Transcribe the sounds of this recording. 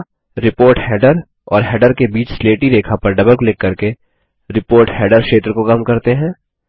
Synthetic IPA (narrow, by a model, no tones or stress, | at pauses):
ɾɪpoːɾʈhɛːɖəɾ | ɔ̰ːɾɦɛːɖəɾkebiːt͡ʃsleːʈid̪eːkʰapɐɾɖɐbəlklɪkːɐɾke | ɾɪpoːɾʈhɛːɖəɾʃeːt̪ɾəkokamkɐɾt̪eɦɛ̃ː